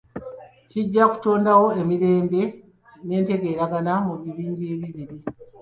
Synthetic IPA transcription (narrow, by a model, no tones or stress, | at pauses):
ciɟːaku̥to̞ːndawo̞e̞miɾe̞ːmbe̞ | ne̞ːnte̞ɡe̞ːɾaɡanamuβiβiːɲɟe̞βiβiɾi